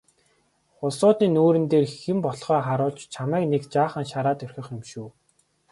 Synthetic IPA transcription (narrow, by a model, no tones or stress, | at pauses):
χʊsʊːt̪iːnoːɾɘ̆nt̪eːrxĭmpɔɮχœːχaɾʊːɮt͡ɕt͡ɕʰamæːknekt͡ɕaːχə̆nʃaɾaːt̪ɵrʲxʲɪ̆χɪmʃuː